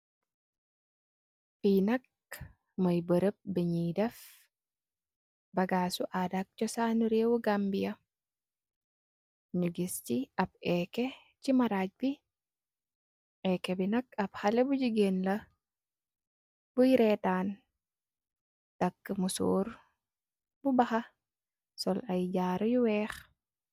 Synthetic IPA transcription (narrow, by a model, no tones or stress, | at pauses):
fiːnɐk | mɐjbɐɾɐp̚biɲiːdɐf | bɐɡaːsuʔaːdak̚t͡ʃɔsaːnuɾeːwuɡɐmbijɐ | nuɡist͡ʃiɐbɛːkɛ | t͡ʃimɐɾad͡ʒbi | ʔɛkːɛbinɐkɐbhɐlebuɟiɡenlɐ | bujiɾɛtaːn | tɐkːmuso̰ːɾ | bubɐhɐ | sɔlɐjd͡ʒaːɾɐjuwɛːx